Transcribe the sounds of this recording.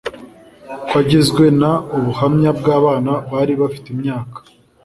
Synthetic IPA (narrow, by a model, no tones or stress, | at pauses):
kwaɟezɡwe̞nauβuhamɲabɡaːβaːnaβaɾiβafi̥teimɲaːkḁ